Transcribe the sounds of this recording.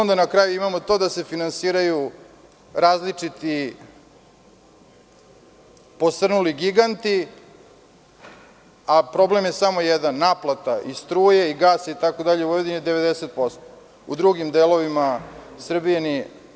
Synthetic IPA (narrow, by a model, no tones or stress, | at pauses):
ond̪anakɾaːjuimamo̞t̪o̞d̪ase̞finansiːɾaju | ɾaːzlit͡ʂit̪i | po̞sr̩nuliɡiɡant̪i | apɾo̞ble̞mjesamojɛd̪anːaːplˠat̪aʔist̪ɾuːjeiɡaːsait̪ako̞d̪aʎeojed̪inid̪eʋe̞d̪eset̪̚po̞st̪o̥ | ṵd̪ɾuɡimd̪elo̞ʋimasr̩bijani